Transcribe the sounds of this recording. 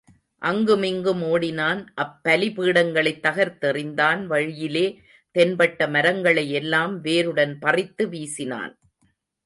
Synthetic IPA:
ʔɐŋɡɯmɪŋɡɯmoːɽɪnaːnʔɐpːɐlɪpɯːɽɐŋɡɐɭɐɪt̪ːɐɣɐɾt̪ɛrɪnd̪aːnʋɐɻɪjɪleː | t̪ɛnbɐʈːɐmɐɾɐŋɡɐɭɐjɛlːaːmʋeːɾɯɽɐnpɐrɪt̪ːɯʋiːsɪna̰ːn

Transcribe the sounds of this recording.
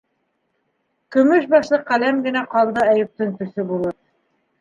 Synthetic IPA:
kɵ̆mɵʃbɑʃlˠɤqælæmɡɘ̆næqɑlˠd̪ɤæjɵ̆p̚t̪ɵŋt̪ɵ̆sɵbulˠɤɾ

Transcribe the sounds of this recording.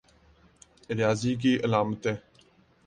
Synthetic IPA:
ɾjaːziːɡiːʔəlaːmət̪eː

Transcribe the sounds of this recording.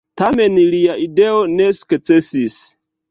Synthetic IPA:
tame̞nliaʔideone̞su̥kt͡sesis

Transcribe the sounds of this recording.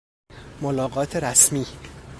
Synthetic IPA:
molɒːɢɒːt̪ʰeɾæsmiː

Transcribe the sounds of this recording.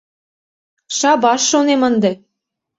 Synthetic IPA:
ʃɑbɑʃːonemɤ̆nd̪ɤ̆

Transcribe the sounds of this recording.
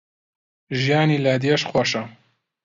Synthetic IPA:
ʒijaːnilad̪ijɐʃxwɐʃɐ

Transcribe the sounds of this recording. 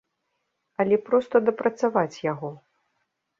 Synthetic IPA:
ɐlʲɛpɾɔst̪ɐd̪ɐpɾɐt̪savat͡sʲjaɣɔ

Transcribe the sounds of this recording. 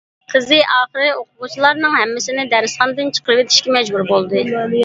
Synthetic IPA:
qʰəzɨʔɑːχəɾɨoqʊʁut͡ʃʰilˠɑɾnɨŋɦɛmːɪsɪnɪd̪ɛɾɨsχɑnd̪ɨnt͡ʃʰə̥qʰəɾɨvet̪ʰi̥ʃkʲɛmɛd͡ʒbuɾbolˠd̪ɨ

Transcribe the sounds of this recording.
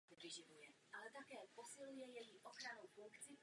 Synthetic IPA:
ɾiʒiʋujɛʔalɛt̪akɛːpɔsilujɛjɛjiʔɔxɾanuʊfuŋkt͡si

